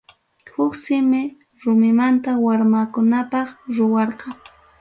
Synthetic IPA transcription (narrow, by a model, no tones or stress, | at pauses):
hʊksɪmɪ | ɾʊmɪmant̪awaɾmakʊnapɑχɾʊwɑɾqɑ